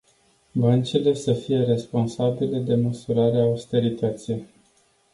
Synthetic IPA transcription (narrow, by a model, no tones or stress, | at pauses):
bənt͡ʃile̞səfije̞ɾe̞spo̞nsabile̞d̪e̞məsuɾaɾeaust̪e̞ɾit̪ət̪sij